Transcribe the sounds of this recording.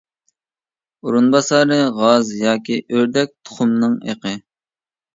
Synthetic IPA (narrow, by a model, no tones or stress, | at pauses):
uɾunbɑsɑɾɨʁɑzjɑːkʲiʔøɾd̪ɛk̚ʲt̪ʰʊ̥χʊmnɨŋḛqʰə